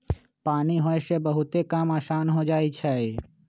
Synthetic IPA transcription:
paːniɦoesebəɦʊt̪ekamaːsaːnɦod͡ʒaːit͡ʃʰaːe

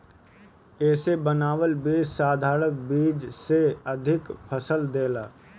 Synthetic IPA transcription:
eːsebənaːwəlbiːd͡ʒsaːd̪ʱaːɾək̚biːd͡ʒseəd̪ʱɪkpʰəsəld̪eːlaː

